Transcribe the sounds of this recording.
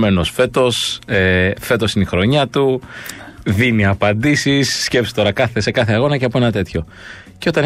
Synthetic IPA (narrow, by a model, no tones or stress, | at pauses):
meno̞sfe̞t̪o̞sefe̞t̪o̞sineixɾo̞ɲɐt̪u | ðiniɐpɐnd̪isisːcepsi̥t̪o̞ɾɐkɐθese̞kɐθe̞ɐɣo̞nɐceɐpoe̞nɐt̪e̞t̪ço̞ | ceo̞t̪ɐn